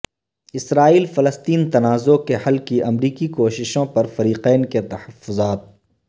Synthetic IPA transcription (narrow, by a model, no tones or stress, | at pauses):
ɪsɾaːiːlfɐləst̪iːnt̪ɐnaːzokehɐlkiʔɐmɾiːkikoːʃɪʃõpɐɾfɐɾiːqɛːnket̪ɐhɐfːʊzaːt̪̚